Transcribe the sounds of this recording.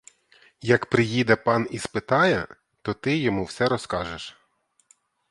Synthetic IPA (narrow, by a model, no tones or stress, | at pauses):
jɐkpɾɪjid̪ɛpɑnispɪt̪ɑjɛ | t̪ɔt̪ɪjɔmuwsɛɾɔskɑʒeʃ